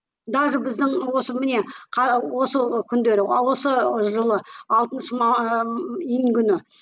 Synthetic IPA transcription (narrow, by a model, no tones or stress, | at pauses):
d̪ɑʒəbɪzd̪ɪŋwo̞səmɪne̞qʰɑwo̞səkʲʰʏnd̪e̞ɾɪwo̞səʒəlˠəɑlˠt̪ənʃəmɑ | iŋkʲʰʏnɪ